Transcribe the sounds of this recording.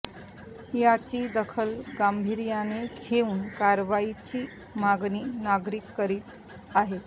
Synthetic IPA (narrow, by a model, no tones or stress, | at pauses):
jat͡ɕiːd̪əkʰəlɡambʱiɾjanekʰeuːnkaɾʋait͡ɕiː | maɡniːnaɡɾikːəɾiːt̪ | aɦet̪